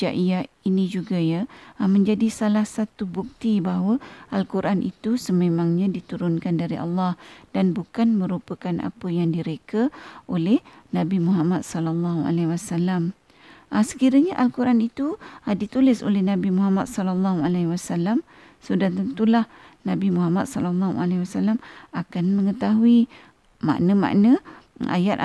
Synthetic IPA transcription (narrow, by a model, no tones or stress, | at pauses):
aʔija | inid͡ʒuɡajamə̃ɲd͡ʒadisalahsat̪ubuk̚t̪ibaɦawəʔalkuɾʔanʔḭt̪usəmemãŋɲãdit̪uɾʊnkandaɾiʔɑ̰lːɑhdanbukanmə̃ɾupəkana̰pəjaŋdiɾekəʔolɛhnãbimuɦamat̪̚sɔlalːɑɦua̰lawasalam | ʔasə̥kiɾəɲaʔalkuɾʔanit̪udit̪ulɪso̰lɛhnabimuɦamat̪̚sɔlɔlːɑɦualawasalam | sudat̪ənt̪ulah | nabimuɦamat̪̚sɔlɔlːɑhṵʔa̰lawasalamakanmə̃ŋət̪aɦui | ma̰ʔnəma̰ʔnəʔa̰jat̪̚